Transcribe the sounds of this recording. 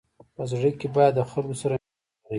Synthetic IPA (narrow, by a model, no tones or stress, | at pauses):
pəzɽəkebɑjad̪ːəxalkosaɾa | ai